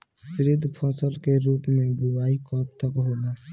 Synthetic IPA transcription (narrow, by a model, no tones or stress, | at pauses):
sɾɪd̪ʱpʰɔːsəlkeɾuːpmẽbuʋaːikɔːp̚t̪əkɦoːla